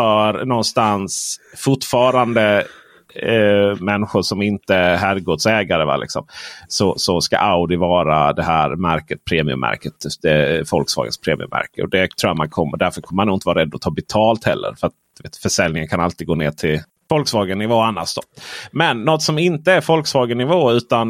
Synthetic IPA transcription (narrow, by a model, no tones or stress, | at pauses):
fœɾnɔnst̪ansfʊʈfɑːɾand̪ə | mɛnːɧʊʂɔmɪnt̪əɦæɾɡoːd̪sɛːɡaɾəva̰lɪ̰ksɔ̰msɔsɔska̰ʔaʊd̪ɪvɑːɾad̪ɛɦæːɾmæɾkət̪̚pʰɾeːmɪɵ̰mʔæ̰ɾkət̪d̪ɛfɔlksvɑ̰ːɡə̰spʰɾeːmɪ̰ɵ̰mːæ̰ɾkə̰ɔ̰d̪ɛt̪ʰɾuːjat̪mankʰɔmːəɖ̪æɾfœɾkʰɔmːəmanuːɪt̪əvɑɾɛd̪ːɔt̪ʰɑːbɛt̪ʰɑːlt̪hɛ̰lːə̰ɾfœɾat̪̚d̪̥ɵveːt̪fœʂɛlːnɪŋənkʰanalt̪id̪ɡoːneːʈʰɪl | fɔlksvɑːɡənːɪvoːanːaʂd̪ɔmɛnːɔt̪sɔmɪnt̪əæɾfɔlksvɑːɡənɪvoːʉ̟ːt̪an